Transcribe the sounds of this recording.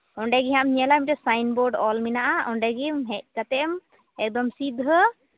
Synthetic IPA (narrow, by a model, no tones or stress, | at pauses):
ɔɳɖɛɡiɦamɲiɛlaimʈɛsajnbɔɾɖɔlminaʔaɔɳɖɛɡimɦɛʔkat̪ɛm | ɛk̚d̪ɔmsid̪ʱə